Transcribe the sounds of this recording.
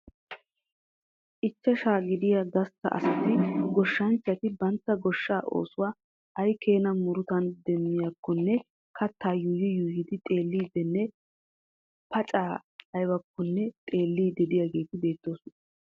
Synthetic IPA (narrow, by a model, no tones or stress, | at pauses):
ʔɪt͡ʃːɐʃaːɡɪd̪ɪjaɡɐst̪ːɐ̰ʔɐ̰st̪ːɪɡɔʃːɐnt͡ʃːɐt̪ɪbɐnt̪ːɐɡɔʃːaːʔo̞̰ːsʊwaː | ʔɐjkʰe̞ːnɐmʊɾʊt̪ɐnd̪ɛmːɪjakːɔnːɛ | kɐt̪ːaːjʊjɪjʊːjɪd̪ɪt̪ʼe̞ːlːiːd̪ɛnːɛ | pɐt͡ʃʼaːɐjbɐkːɔnːɛt̪ʼe̞ːlːiːd̪ɛd̪ɪjaɡe̞ːt̪ɪbe̞ːt̪ːo̞ːsʊnɐ